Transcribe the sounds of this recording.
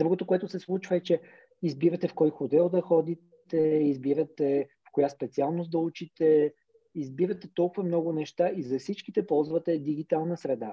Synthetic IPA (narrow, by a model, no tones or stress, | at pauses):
d̪ɾuɡot̪okoɛt̪ʊsɛslˠut͡ʃvɐɛt͡ʃɛ | izbiɾət̪ɛfkɔjxot̪ɛlˠd̪ɐxɔd̪itt̪ɛizbiɾət̪ɛfkʊjaspɛt̪sialˠnosd̪ɐut͡ʃit̪ɛ | izbiɾət̪ɛt̪ɔlˠkʊvɐmnɔɡʊnɛʃt̪aʔizɐfsit͡ʃkit̪ɛpɔlˠzvət̪ɛd̪iɡit̪alˠnəsɾɛd̪a